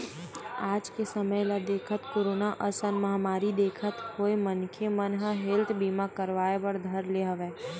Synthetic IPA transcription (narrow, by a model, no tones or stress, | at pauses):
aːd͡ʒkesəməjlad̪eːkʰət̪koːɾoːnaʔəsənmɐɦamaːɾid̪eːkʰət̪hoːemənkʰemənɦəɦɪlt̪ʰbiːmakəɾʋaːebəɾd̪ʱɐɾleɦɐʋeː